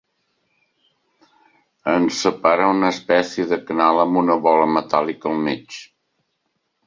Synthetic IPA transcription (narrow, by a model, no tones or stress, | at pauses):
ənsəpaɾəunəspɛsijəðəkənaləmbunəβɔləmət̪alˠikəlˠmet͡ʃ